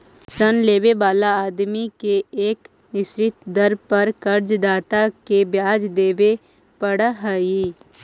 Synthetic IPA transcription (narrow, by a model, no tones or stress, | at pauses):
sɾənleːbebaːlaaːd̪mikeeːk | nɪʃɾɪt̪d̪ɐɾpɐɾkɐɾd͡ʒd̪aːt̪akebjaːd͡ʒd̪eːbe | pəɽaɦəiː